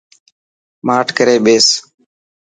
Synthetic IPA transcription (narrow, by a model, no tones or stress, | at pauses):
maːʈʰkəɾeːɓeːs